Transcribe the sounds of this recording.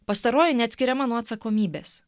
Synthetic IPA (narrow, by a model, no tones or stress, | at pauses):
pɐst̪ɐɾoːjɪnʲɛɐt̪sʲkʲɪɾʲɛmɐnuɔɐt̪sɐkoːmʲiːbʲeːs